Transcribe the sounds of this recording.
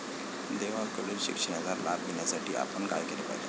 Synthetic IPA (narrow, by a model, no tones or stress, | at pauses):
d̪eʋakəleɾɕḭkʂənad͡zaɾlabɡinjasaʈiːʔa̰pənka̰jɡelepa̰jd͡ʒḛ